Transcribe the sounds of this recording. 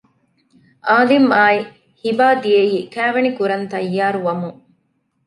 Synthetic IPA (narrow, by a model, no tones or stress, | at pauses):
ʔaːlimaːi | hibaːd̪ieiːkæːʋenikuɾɐnt̪ɐjːaːɾuʋɐmuŋ